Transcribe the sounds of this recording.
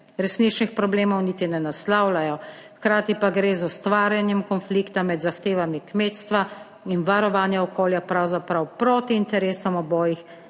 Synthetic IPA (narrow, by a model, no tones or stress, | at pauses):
ɾɛsnit͡ʃnixpɾɔbleːmɔwniːt̪inɛnaslaːwlajɔ | xkɾaːt̪ipaɡɾeːzɔst̪ʋaːɾjanjɛmkɔnflikt̪amɛd̪zaxt̪eːʋamikmeːt̪st̪ʋa | inʋaɾɔʋaːnjaɔkʰoːljapɾawzapɾawpɾoːt̪iːnt̪ɛɾeːsɔmɔbɔːjix